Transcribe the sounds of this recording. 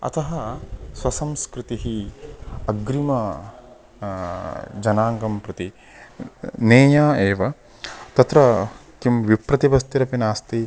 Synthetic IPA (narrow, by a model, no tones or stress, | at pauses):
ɐ̰t̪ʰɐɦɐswɐsɐmskɾɪt̪iɦi | ɐɡɾimɐ | d͡ʒɐnaːŋɡɐmpɾɐt̪i | neːjaːeːʋɐ | t̪ɐt̪ɾɐkimʋipɾɐt̪iʋɐst̪iɾɐpinaːst̪i